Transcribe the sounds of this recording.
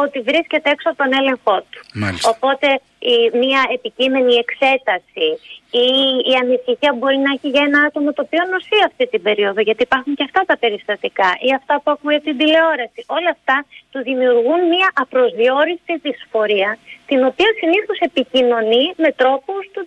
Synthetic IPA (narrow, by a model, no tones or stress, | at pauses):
o̞t̪ivɾisce̞t̪eeksoɐot̪o̞ne̞le̞ŋxo̞t̪u̥ma̰opo̞t̪e̞ | imiɐe̞picime̞nie̞kse̞t̪ɐsiiːɐnisiçiɐbo̞ɾinɐeçiʝɐe̞nɐɐt̪o̞mɐt̪oːpio̞no̞sθiɐft̪it̪ibe̞ɾio̞ðoʝɐt̪iːpɐɾxuɲceɐft̪ɐt̪ɐpe̞ɾist̪ɐt̪ikɐʔiɐft̪ɐpuexunʝet̪ind̪ile̞o̞ɾɐsiʔo̞lɐft̪ɐt̪uðimiuɾɣunmiɐʔɐpɾo̞zðio̞ɾist̪iðisfo̞ɾiɐt̪ino̞piɐsiniθo̞se̞picino̞nime̞t̪ɾo̞pust̪u